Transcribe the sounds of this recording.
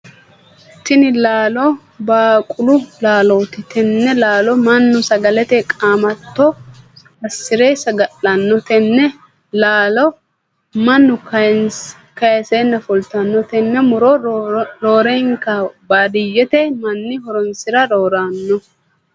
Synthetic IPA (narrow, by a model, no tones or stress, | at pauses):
t̪ːɪnɪlaːlɔ | baːkʼʊlʊlaːloːt̪ɪt̪ʰɛnːɛlaːlɔmɐnːʊsɐɡɐlɛt̪ɛkʼaːmɐt̪ːɔ | ɐsːɪɾeːsɐɡɐlːɐnːɔt̪ɛnːɛ | laːlɔ | mɐnːʊkɐ | kɐjɛseːnːɐfɔlt̪ɐnːɔt̪ɛnːɛmʊɾɔɾoːɾeŋkɐbaːd̪ɪjːɛt̪ɛmɐnːɪhɔɾɔnsɪɾɐɾoːɾaːnːɔ